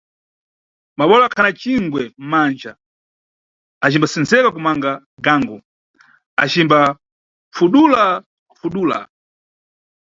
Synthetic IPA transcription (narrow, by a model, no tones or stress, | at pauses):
maɓɔlɔakʰanat͡ʃiŋɡwɛm̩mand͡ʒa | at͡ʃimbasɛnzɛkakumaŋɡa | ɡaŋɡɔ | a̰t͡ʃimba | fuɗula | fuɗuːla̰